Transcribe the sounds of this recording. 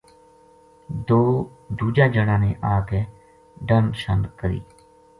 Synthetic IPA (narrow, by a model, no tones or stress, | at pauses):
d̪oː | d̪uːd͡ʒaːd͡ʒəɽãːneːʔaːkeː | ɖənʃənkəɾḭː